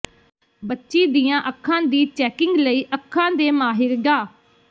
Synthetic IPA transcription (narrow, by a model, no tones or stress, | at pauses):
bətːʃiːd̪iːjãːʔəkʰːãːd̪iːt͡ʃɛːkɪ̃ŋɡləiːʔəkʰːãːd̪eːmaːɦɪɾɡaː